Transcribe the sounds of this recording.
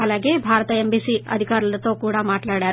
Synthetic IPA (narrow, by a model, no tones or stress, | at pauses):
ɐleːɡebʱaːɾɐt̪ɐembiːsiɐ̰d̪ʱikaːɾɐlt̪oːkuːɽamaːʈlaːɽaːɾ